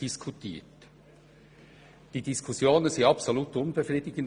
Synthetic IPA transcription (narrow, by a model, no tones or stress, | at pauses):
iskʰutʰiːt | d̥iːd̥iskʰusjoːnənziɑpsoluːtʊnbefriːdɪɡ̥ən̩